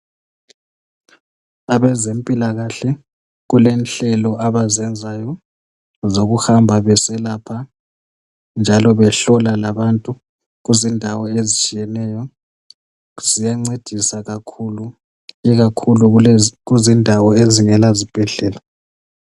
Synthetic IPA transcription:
aβɛzempʼilaɣaɬɛ | ɣulenɬɛlɔaβazɛnd͡zʱajɔ | zoɣuhambʱaβɛsɛlapʰa | nd͡ʒʱalɔβɛɬɔlalaβantʼu | ɣuzindʱawɔezit͡ʃʼijɛnɛːjɔ | z̥ijaŋ͡ǀed̥ʱisaɣakʰulu | iɣakʰuluɣuzindʱawɔeziŋɛlazib̥ʱɛɮɛːla

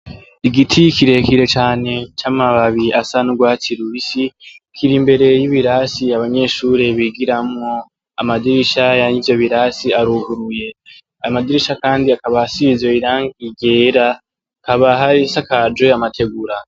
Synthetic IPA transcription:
iɡitʰikiɾe̞kiɾe̞t͡ʃaːne̞t͡ʃaːmaβaβiasanuɡwaːtiɾuisi | kʰiɾimbe̞ɾe̞jiβiɾasiaβaɲe̞ːʃuːɾeβiɡiɾamŋo̞ | amadiɾiʃajaɲivjo̞βiɾasiaɾuɡuɾuje̞ | ajamadiɾiʃakaːndiakaβahasizo̞iɾaːŋɡiɟe̞ːɾa | kaβaɦaɾisakad͡ʒweamatʰe̞ɡuɾa

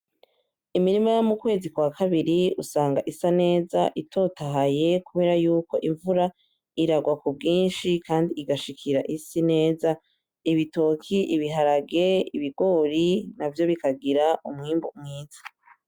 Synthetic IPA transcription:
imiɾimajomukwe̞ːzikwakʰaβiɾiusaːŋɡaʔisane̞ːza̰ʔitʰo̞taɦaje̞kuβe̞ːɾajuːko̞ʔiɱvuɾa | iɾaɡwakubɡiːnʃikaːndiːɡaʃikʰiɾaʔisine̞ːza | iβito̞kʰiʔiβiɦaɾaɡe̞iβiɡo̞ːɾinavjo̞βikaɡiɾaʔumŋiːmbomŋiːzḁ

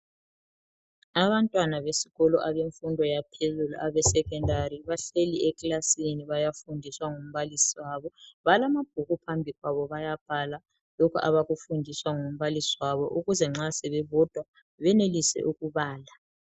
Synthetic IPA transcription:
aβantʼwanaβesi̥ɣɔlɔʔaβeɱfundʱɔjapʰezulṵʔaβɛsɛkɛndʱariβaɬeliɛkʼlasiniβajafundʱiswaŋom̩βalisiwaβɔβalamab̥̚ʱuɣupʰambʱiɣwaβɔβajab̥ʱala | lɔkʰuʔa̰βaɣufundʱiswaŋom̩βalisiwaβɔʔuɣuzɛŋ͡ǁasɛβɛβɔd̥ʱwa | βɛnelisɛ̰ʔuɣuβaːla

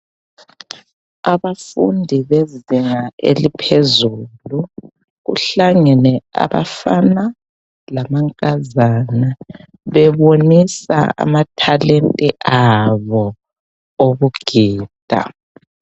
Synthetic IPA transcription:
aβafundʱiβeziŋaḛlipʰezuːlu | ɣṵɬaŋɛnɛa̰βa̰fana | lamaŋkʼazana | βɛβonisa̰a̰matʰalentʼiʔaβɔ | oβuɡ̥ʱiːd̥ʱa̰

